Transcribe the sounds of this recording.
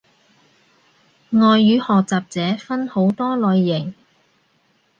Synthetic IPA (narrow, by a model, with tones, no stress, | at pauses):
ŋɔː˨˧jːyː˨˥hɔː˨k̚t͡saː˨p̚t͡sɛː˨˥fɐ˥nho˨˥wt̪ɔː˥lɔː˨˧jːɪ˨˩ŋ